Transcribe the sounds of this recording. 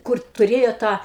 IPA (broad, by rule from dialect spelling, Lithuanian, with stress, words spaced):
ˈkʊr tʊˈrʲeːjoː ˈtɑː